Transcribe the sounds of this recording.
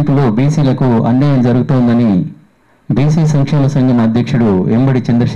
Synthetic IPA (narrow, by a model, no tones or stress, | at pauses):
nt̪ulo̞ːbiːsiːlɐkuɐ̰ɳɖɐjɐmd͡ʒɐɾuɡut̪uːnd̪ɐni | biːsiːsɐŋkʂɛːmɐsɐŋɡʱɐmɐd̪ʱjɐkʂuɽuembɐɽit͡ʃend̪ɾɐʃ